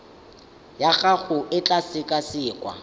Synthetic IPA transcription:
jaɣaɣʊɪt͡ɬʼasɪkʼasɪːkʼwa̰

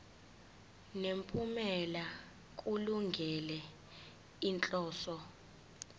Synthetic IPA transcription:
nempʼumɛla | k̬ʼuluŋɡʱɛlɛ | int͡ɬʼɔːsɔ

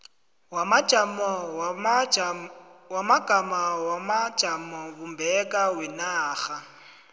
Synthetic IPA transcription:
wamad͡ʒamɔ | wamaɡ̥amawamḁt͡ʃʼamɔβumbʱɛkʼawɛnaːɣa

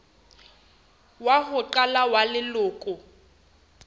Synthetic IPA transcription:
waɦʊǃalawalɪlʊːkʼʊ

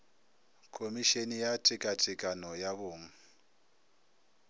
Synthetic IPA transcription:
kʰomiʃenijatʰikʼatʰikʼanɔjaβoːŋ̩

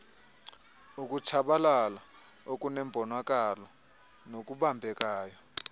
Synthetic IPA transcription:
uk̬ʼut͡ʃʰaɓalala | ok̬ʼunɛmbʱɔnwak̬ʼalɔ | nok̬ʼuɓambʱɛk̬ʼaːjɔ

